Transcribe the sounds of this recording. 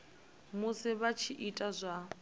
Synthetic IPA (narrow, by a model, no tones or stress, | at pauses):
mʊsɪβat͡ʃʰiʔitʼazʷa